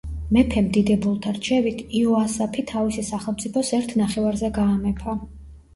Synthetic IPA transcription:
mɛpʰɛmd̪id̪ɛbulˠt̪ʰaɾt͡ʃʰɛvit̪ʰiɔasapʰit̪ʰavisisaχɛlˠmt̪sʼipʰɔsɛɾt̪ʰnaχɛvaɾzɛɡaːmɛpʰa

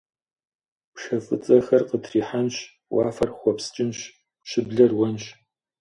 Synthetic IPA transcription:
pʂɐfʼɨ̰t͡sʼɐxɐrqətʰriːħanɕ | waːfɐrχʷɔpst͡ʃʼɪnɕ | ʃʰɪbɮɐrwɐnɕ

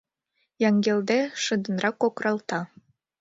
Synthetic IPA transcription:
jɑŋɡʲeld̪eʃɤ̆d̪ɤ̆nrɑkːokrɑlˠt̪ɑ

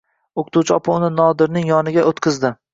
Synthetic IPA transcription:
oqt̪uwt͡ʃʰɪɒpʰaʊnɪnɒd̪ɪɾnɪŋjɒnɪɡʲaʔot̪kʰɨzd̪ɪ

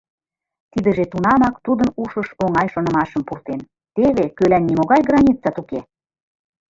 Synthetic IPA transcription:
t̪id̪ə̆ʒet̪unɑmɑkt̪ud̪ənuʃɤ̆ʃoŋɑjʃonɤ̆mɑʃə̆mpurt̪en | t̪eβekølænːʲimoɣɑjɡrɑnʲit̪t͡sɑt̪uke

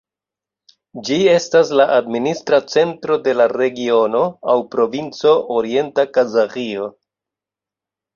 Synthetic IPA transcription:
d͡ʒie̞staslaʔadministɾat͡se̞ntɾo̞de̞laɾe̞ɡio̞no̞awpɾo̞vint͡so̞ʔoɾie̞ntakazaɣio̞

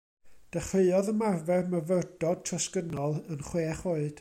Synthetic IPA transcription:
d̥əχeɨɔðəmarvɛrməvərdɔd̚tʰrəskənɔlˠənχweːaχoːɨd̥

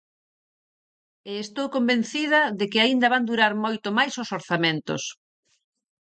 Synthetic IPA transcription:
eːst̪owkombẽn̟θið̞ɐðekɪaind̪ɐβand̪uɾaɾmojt̪omajsosoɾθamẽnt̪o̰s

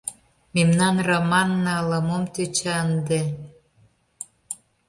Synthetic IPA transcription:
memnɑnromɑnːɑlɤmomt̪øt͡ɕɑnd̪e

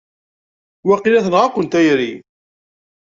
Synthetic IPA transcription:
wæqːinæθənʁakʷənt̪æjɾi

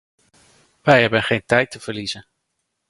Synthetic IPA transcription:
ʋɛjɦɛbənχejntɛjtəv̥əɹlizən

